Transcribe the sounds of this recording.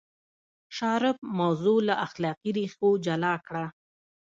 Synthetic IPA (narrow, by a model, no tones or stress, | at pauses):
ʃɑɾɪb̚mawzolaʔaxlɑqiɾixod͡ʒalɑkɽa